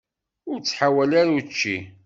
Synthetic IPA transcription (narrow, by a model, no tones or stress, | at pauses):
ʊɾt͡sːħawælaɾut͡ʃːi